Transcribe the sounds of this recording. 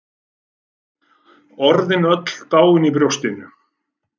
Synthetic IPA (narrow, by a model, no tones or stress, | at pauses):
ɔɾðɪnœt̪l̥t̪aːwɪnipɾjowst̪ɪnʏ